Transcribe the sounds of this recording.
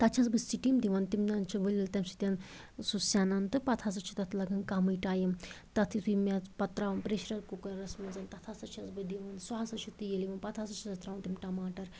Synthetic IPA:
t̪ɐt͡ʃʰɐsbɐst͡siʈimd̪iʋɐnt̪imnɐnt͡ʃʰiʋɨlʲːɐlt̪ʲɐmsi̥t̪ʲɐn | susaːnɐnt̪ɨpɐt̪ʰas̬ɐt͡ʃʰu̥t̪ɐt̪ʰlɐɡɐnkamɨjʈaːjɐm | t̪ɐt̪ʰit̪ʰumat͡spɐt̪ɾaʋɐnpɾeʃɾɐɾkukɐɾɾɐsmɐnzɐnt̪ɐt̪ʰasɐt͡ʃʰɐsbɨd̪iʋɐnsaasɐt͡ʃʰut̪ijeliʋɐnpɐt̪ʰasɐt͡ʃʰisɐt̪ɾaːʋɐnt̪imʈɐmaːʈɐɾ

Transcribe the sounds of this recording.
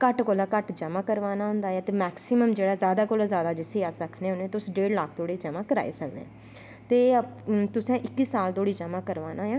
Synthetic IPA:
kəʈkolaːkəʈd͡ʒəmãːkəɾʋaːnaːɦʊ̃nd̪aːɛːt̪eːmɛːksiməmd͡ʒeːɽaːzjaːd̪aːkoːlaːzjaːd̪aːd͡ʒɪseːəsɾəkʰnẽːɦʊnẽːt̪eʊsɖeːɽlaːkʰt̪oːɽiːd͡ʒəmãːkəɾa̰ːḭːsək̚d̪ḛ̃ː | t̪eːt̪ʊsɛ̃ːʔɪkːiːsaːlt̪oːɽiːd͡ʒəmãːkəɾʋaːnaːjɛ̃ː

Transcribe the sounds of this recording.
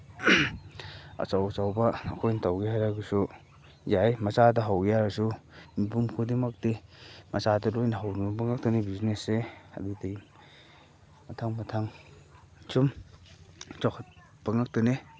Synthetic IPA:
ɐ̰sawsawbɐɐ̰kʰojnɐtawɡehajɾaɡɐsu | jajmɐzadɐɦawɡejaɾɐsumibumkʰudimak̚temɐsadɐlojnɐɦawnubɐbɐŋak̚tɐnebizneseɐ̰didɐ | mɐtʰaŋmɐtʰaŋ | sum | t͡ʃawkʰɐt̚ | bɐŋak̚tɐne

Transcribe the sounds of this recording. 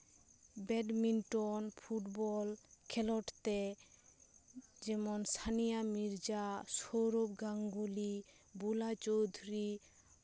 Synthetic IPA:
bɛɖminʈɔnpʰuʈbɔlkʰɛlɔʈt̪e | d͡ʒɛmɔnsʰanijamiɾd͡ʒasoɾobɡaŋɡuli | bulat͡ʃowd̪ʱuɾi

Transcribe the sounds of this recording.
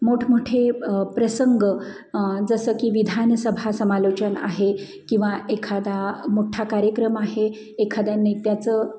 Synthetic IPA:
moʈʰmoʈʰepɾəsəŋɡə | d͡zəsəkiːʋid̪ʱanəsəbʱasəmalot͡ɕəna̰ɦe | kĩw̃ʋaʔekʰad̪amoʈʰakaɾjəkɾəmaɦeː | kʰad̪anet̪jat͡sə

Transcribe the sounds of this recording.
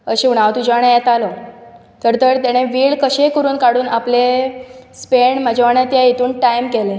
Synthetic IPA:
əɕẽuɽ̃aʋt̪ud͡ʑaɽ̃ãjɛt̪alɔ | t̪əɾt̪əɾt̪jaɽ̃eʋiːɭkəɕekəɾuːnkaɽuːnaplespeɳmad͡ʑʱaaɽ̃at̪jait̪uːnʈajmkele

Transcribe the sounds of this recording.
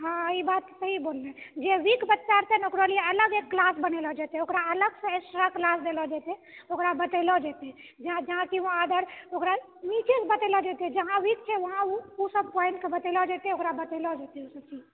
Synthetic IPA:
ɦãibat̪səɦibolned͡ʒeʋikbət̪ːʃaɾt̪ɛnokɾoliələɡekːlasbənelɔd͡ʒat̪ɛokɾaələɡsə̃esɾaklasd̪elɔd͡ʒat̪ɛokɾabət̪elɔd͡ʒat̪ɛd͡ʒãd͡ʒəɦãkioad̪əɾokɾa | mit͡ʃesbət̪elɔd͡ʒat̪ɛd͡ʒəɦãʋik̚t͡ʃʰɛʋəɦãuusəb̚pɔjnʈkebət̪elɔd͡ʒat̪ɛokɾabət̪elɔd͡ʒat̪eosəbt͡ʃi

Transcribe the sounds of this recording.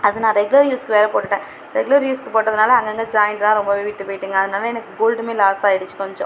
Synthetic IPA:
ɐðɯnãːɾɛɡʊlɐɾjuːskɯʋeːɾɐpoːʈːɯʈːẽː | ɾɛɡʊlɐɾjuːskɯpoːʈːɐðɯnaːlɐɐŋɡɛŋɡɐd͡ʒaːjɪɳʈlãːɾɔmbɐʋeːʋiːʈːɯpoːjɪʈːɯːŋɡɐːðɯnaːlɐɛnɐkːɯɡoːlɖmeːlaːsaːɛɽɯt͡ʃːɯ̥kɔɲd͡ʒɔ̰̃

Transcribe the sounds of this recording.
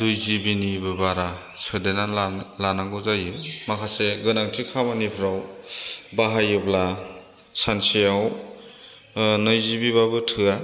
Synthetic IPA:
dujzibinibɯbaɾa | sɯdenalanaŋɡɯzajɯmakʰaseɡɯnaŋtʰikʰamanipʰɯɾaw | baɦajɯbla | sansijaw | nɯjzibiβabɯtʰɯa

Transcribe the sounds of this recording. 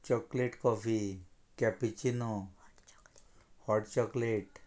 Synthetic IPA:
t͡ʃɔkleʈkɔfi | kɛpit͡ʃinɔ | hɔʈt͡ʃɔkleʈ

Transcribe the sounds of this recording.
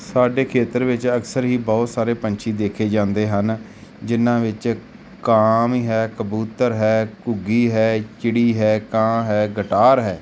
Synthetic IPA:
saːɖeːkʰeːt̪əɾʋɪt͡ʃəksəɾɦiːbɔːt̪saːɾeːpəɲt͡ʃʰiːd̪eːkʰeːd͡ʒãːnd̪eːɦən | d͡ʒɪnãːʋɪt͡ʃ | kaːmiɦɛːkəbuːt̪əɾɦɛːkʊɡiːɦɛːt͡ʃɪɽiːɦɛːkãːɦɛːɡəʈaːɾɦɛː

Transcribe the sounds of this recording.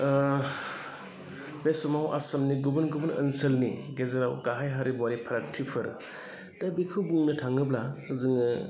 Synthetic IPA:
besɔmawʔa̰sɐmniɡubɯnɡubɯnə̰nsɯlniɡezaɾawɡaɦajɦaɾibɔaɾipʰaɾatʰːipʰɯɾ | dabikʰɯwbuŋnɯtʰaŋɯblaɯzɯŋɯ

